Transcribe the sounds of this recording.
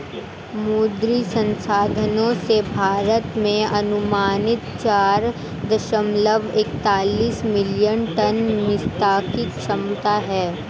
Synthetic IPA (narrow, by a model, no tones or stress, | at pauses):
muːd̪ɾisɐ̃nsaːd̪ʱənõsebʱaːɾət̪mẽɐnʊmaːnɪt̪t͡ʃaːɾ | d̪ɐʃəmləʋek̚t̪aːliːsmɪljənʈɐnmɪst̪aːkikʃɐmt̪aɦɛː